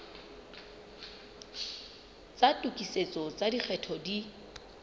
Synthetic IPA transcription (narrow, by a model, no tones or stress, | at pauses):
t͡satʼukʼiset͡sʼɔt͡sʼadik͡xʰɛtʰɔdi